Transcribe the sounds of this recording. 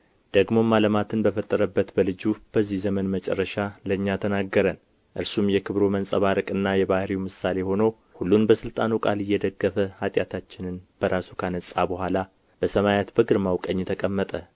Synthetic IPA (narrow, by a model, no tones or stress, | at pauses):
d̪̥əɡmo̞mːaləmat̪ʰɨnbəfət̪ʼːəɾəbːət̪bəlɨd͡ʒub̥əzːihzəmənmət͡ʃʼɛ̰rːəʃaləɨɲːat̪ʰənaɡːəɾən | ʔɨɾsumjɛkʰɨβɾomənsʼəβaɾəkʼɨnːajɛbahɾiwmɨsale̞ho̞nəw | hulːunbəsɨlt̪ʼanukʼalɨjːɛd̪əɡːəfəhat̪ʼjat̪ʰat͡ʃːɪnɨnb̥əɾasukʰanəsʼabəhʷala | b̥əsəmajat̪bəɡɨɾmawkʼəɲːt̪ʰəkʼəmːət̪ʼə